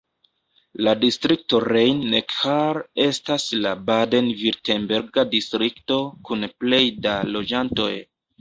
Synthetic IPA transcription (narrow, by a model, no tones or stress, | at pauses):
ladistɾik̚to̞ɾejnːekhaɾe̞staslabade̞nviɾtenbeɾɡadistɾikto̞kunple̞jdalo̞d͡ʒanto̞̰j